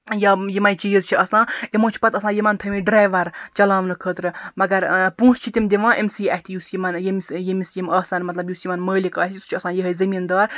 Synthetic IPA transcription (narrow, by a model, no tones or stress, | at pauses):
jɐjimɐjt͡ʃiːzt͡ʃʰiɐsãːimoːt͡ʃʰi̥pɐt̪ɐsãːjimɐnt̪ʰɐmiɖɾaːjʋɐɾt͡ʃɐlaːʋnɨkʰəːt̪ɾɨmɐɡɐɾpũːst͡ʃʰit̪ʲimd̪iʋãːʔemsiːɐht̪ʰijuːsjimɐnjemsjimisjimɐːsɐnmɐt̪lɐbjuːsjimɐnməːlikɐːsʲsu̥t͡ʃʰiɐsãːjiɦɐjzɐmiːnd̪aːɾ